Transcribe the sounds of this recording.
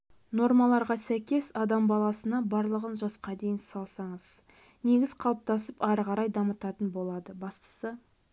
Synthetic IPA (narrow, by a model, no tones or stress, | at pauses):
no̞ɾmɑlˠɑɾʁɑsæjkʲe̞sɑd̪ɑmbɑlˠɑsənɑbɑɾlˠəʁənʒɑsqɑd̪e̞jɪnsɑlˠsɑɴəz̥ | ne̞ɡʲɪz̥qʰɑlˠəp̚t̪ɑsəpɑɾəʁɑɾɑjd̪ɑmət̪ɑt̪ənbo̞lˠɑd̪əbɑst̪ə̥sə